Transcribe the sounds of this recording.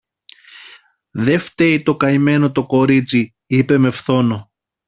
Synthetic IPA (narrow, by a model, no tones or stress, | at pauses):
ðe̞ft̪e̞it̪o̞kɐime̞no̞t̪o̞ko̞ɾit͡si | ipe̞me̞fθo̞no̞